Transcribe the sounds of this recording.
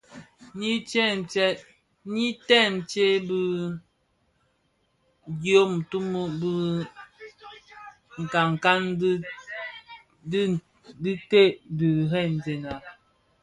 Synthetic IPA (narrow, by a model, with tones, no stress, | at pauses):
ni˦t͡ʃɛ˦t͡ʃɛ˦t̚ | ni˦tɛ˦˨m̩˨t͡ʃe˦bi˦ | ɡjo˦m̩˨tu˦mo˦bə˦ | ŋ̩˨ka˨ŋ˨ka˦n˦ | d | di˦te˦di˨ɦɛ˦˨n̩˨ze˨na˨